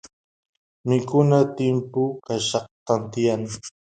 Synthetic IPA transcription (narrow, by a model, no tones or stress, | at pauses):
mɪkʊnat̪ɪmpʊkaʃɑq̚t̪ant̪ɪjaŋ